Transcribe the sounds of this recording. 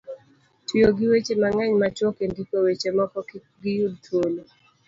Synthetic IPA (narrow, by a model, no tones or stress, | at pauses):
tʰwijoɡɪwet͡ʃemaŋɛɲmat͡ʃokendikowet͡ʃemɔkɔk | ɡɪjud̚tʰolo